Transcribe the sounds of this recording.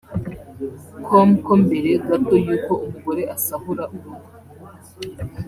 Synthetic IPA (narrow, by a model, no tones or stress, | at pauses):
kʰomkombe̞ɾeɡatojuːko̞umuɡo̞ɾe̞ʔasaɦuɾaʔuɾuɾu